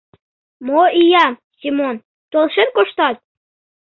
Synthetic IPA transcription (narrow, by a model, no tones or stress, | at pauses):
moijɑ | sʲimon | t̪olˠʃenkoʃt̪ɑt̪̚